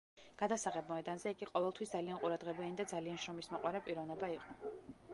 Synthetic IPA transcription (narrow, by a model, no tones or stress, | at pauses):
ɡ̥ad̪asaʁɛbmɔɛd̪anzɛiɡiqʼɔvɛlˠt̪ʰwistd̪zalianqʼuɾad̪ʁɛbɛnid̪ad̪zalianʃɾɔmismɔqʼwaɾapʼiɾɔvnɛbaiqʼɔ